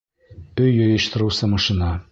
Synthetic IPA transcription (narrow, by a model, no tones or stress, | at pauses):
bɵjjŏjɤ̆ʃt̪ɤ̆ɾɤwsɤmɑʃinɑ